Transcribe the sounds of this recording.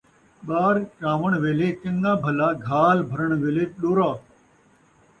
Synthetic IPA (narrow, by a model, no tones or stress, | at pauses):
ɓaːɾt͡ʃãːʋəɳʋeːleːt͡ʃɐŋɡãːbʱəlaːɡʱaːlbʱəɾəɳ̃ʋeːleːɗoːɾaː